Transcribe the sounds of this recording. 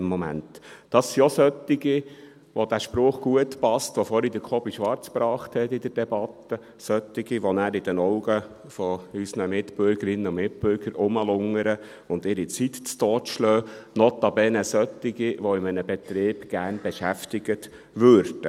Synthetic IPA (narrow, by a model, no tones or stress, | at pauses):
mːɔmæ̰ntd̥ɑsːiosœt̪ːɪɡi | ʋod̥̪æʃpɾʊχɡ̥uətpɑstʋɔfɔɾid̪əkʰɔbiʃʋɑɾt͡spɾɑːχt̪hɛt̪ɪd̪əɾd̥ɛbɑtːə | sœt̪ːɪɡiʋɔnæːɾɪd̥ɛnɔʊɡə | fɔysnəmɪt̪b̥ʏɾɡ̥əɾɪnːəʊmɪt̪̚bʏɾɡ̥əɾʊməlʊŋːəɾə | ʊnd̪ɪɾit͡sit̪t͡st̪ɔːtʃløːnɔt̪ːɑbɛnəsœt̪ːɪɡiʋoɪmənəbɛt̪ɾeːb̥ɡ̥æɾnbɛʃæftɪɡət̪ | ʋøɾd̥ə